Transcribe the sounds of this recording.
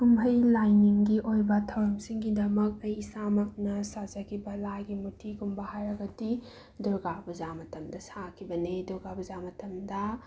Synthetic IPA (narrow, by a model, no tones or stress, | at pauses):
kumbʱɐjlajniŋɡiʔojbɐtʰɐwɐmsiŋɡidɐmɐk̚ɐjsamɐk̚nɐsazɐkʰibɐlaɡimutʰiɡumbɐhajɾɐɡɐdi | duɾɡabuzamɐtɐmdɐsakʰibɐneduɾɡabuzamɐtɐmdɐ